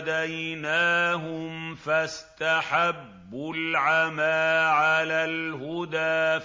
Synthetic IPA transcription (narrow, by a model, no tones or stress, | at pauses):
d̪ajnaːɦʊmfast̪aħabːʊlʕamaʕalaːlɦʊd̪aː